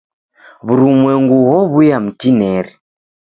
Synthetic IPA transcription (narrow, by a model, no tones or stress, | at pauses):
βuɾumwɛŋɡuhɔβujam̩tinɛɾi